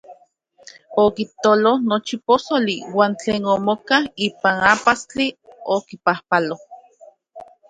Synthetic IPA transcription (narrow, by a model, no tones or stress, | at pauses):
okit̪olohnot͡ʃiposoliwaːnt͡ɬeːnomokahiːpanapast͡ɬiokipahpaloh